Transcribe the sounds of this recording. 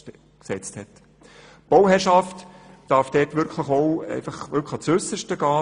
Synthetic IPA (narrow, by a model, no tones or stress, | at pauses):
ksɛt͡sthɛt | b̥ɔwɦɛɾʃɑftd̥ɑɾfd̥ɛtʋʏɾkʰləχoʊɛ̰ɪfɑχʋʏɾkʰlət͡sʏsəʃtəɡ̥ɑː